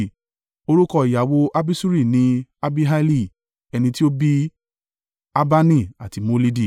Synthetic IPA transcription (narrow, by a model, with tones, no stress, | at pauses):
o˧ɾu˦kɔ˧i˨ja˨wo˧ʔa˦bi˦su˦ɾi˦˨nĩ˧a˦bi˦ɦa˦li˦˨ | ɛ˧nĩ˧ti˦o˦bi˦ | a˦ba˦nĩ˦˨a˨ti˧mo˨˧li˦di˦˨